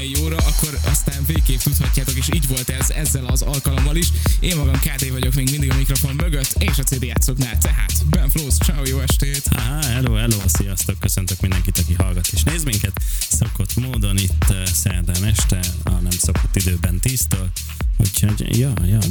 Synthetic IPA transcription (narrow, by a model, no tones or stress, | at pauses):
ɛjːoːɾɒɒkːo̞ɾɒ̰st̪aːɱveːkeːft̪ut̪hɒcːaːt̪o̞keːʃiːɟvo̞lt̪ɛzɛ̰zːɛlɒzɒlkɒlo̞mːɒliʃeːmmɒɡɒmkaːd̪eːvɒɟo̞kmeːɡmind̪iɡɒmikro̞fo̞mːmøɡøt̪ːeːʃɒt̪seːd̪eːjaːt̪so̞knaːlt̪ɛɦa̰ːt̪bɛɱfloːst͡ʃaojoːɛʃt̪ɛeːt̪a̰ɦaɛloːɛloːsijɒst̪okːøsønt̪økmind̪ɛŋkit̪ɒkiɦɒlɡɒt̪ːeːʃneːzmiŋkɛt̪soko̞t̪moːd̪o̞nit̪ːsɛ̰rd̪ɛmɛʃt̪ɛɒnɛmsokot̪ːid̪øːbɛnt̪iːst̪oːl | ho̰choɟjɒːjɒ